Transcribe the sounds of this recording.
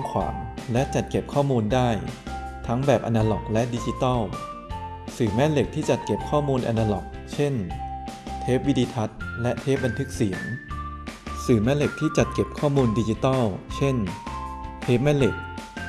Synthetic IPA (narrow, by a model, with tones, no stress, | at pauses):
ŋkʰwa̰ː˩˦ŋlɛ˦˥ʔt͡ɕa˨˩t̪̚ke˨˩p̚kʰɔː˥˩muː˧ndaː˥˩jt̪ʰa˦˥ŋbɛː˨˩p̚ʔa̰˧naː˧lɔ˨˩k̚lɛ˦˥ʔdi˧t͡ɕi˧t̪ɔ˥˩w | sɯː˨˩mɛ˦˥le˨˩k̚t̪ʰiː˥˩t͡ɕa˨˩t̪̚ke˨˩p̚kʰɔː˥˩muː˧nʔa̰˧naː˧lɔ˨˩k̚t͡ɕʰe˥˩n | t̪ʰeː˦˥p̚wi˦˥diː˧t̪ʰa˦˥t̪̚lɛ˦˥ʔt̪ʰeː˦˥p̚ba˧nt̪ʰɯ˦˥k̚si˩˦əŋ | sɯː˨˩mɛ˦˥le˨˩k̚t̪ʰiː˥˩t͡ɕa˨˩t̪̚ke˨˩p̚kʰɔː˥˩muː˧ndiː˧t͡ɕi˧˥t̪ɔ˥˩wt͡ɕʰe˥˩n | t̪ʰeː˦˥p̚mɛː˦˥˩le˨˩k̚